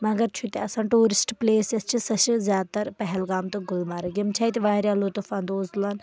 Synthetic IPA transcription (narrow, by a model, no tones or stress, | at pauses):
mɐɡɐɾt͡ʃʰut̪eɐsãːʈuːɾɪsʈpleːsest͡ʃʰisɐʃzjaːd̪̚t̪ɐɾpɐɦɛlɡaːmt̪ɨɡʊlmaːɾɐɡimt͡ʃʰaːit̪iʋaːɾʲjaːlot̪ufɐnd̪oːzlaːn